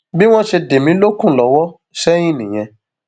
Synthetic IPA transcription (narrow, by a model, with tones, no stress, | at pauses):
bi˦w̃ɔ̃˦ʃe˧de˨mĩ˨˦lo˦kũ˦˨lɔ˨˧˦wɔ˦ | ʃɛ˦j̃ĩ˦˨nĩ˨j̃ɛ̃˧